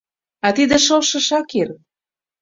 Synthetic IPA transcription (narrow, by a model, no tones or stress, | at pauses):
ɑt̪id̪ĕʃɤlʃɤ̆ʃɑkir